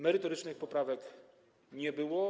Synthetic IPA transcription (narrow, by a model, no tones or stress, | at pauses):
mɛɾɘt̪ɔɾɘt͡ʂnɘxpɔpɾavɛk | ɲɛbɘwɔ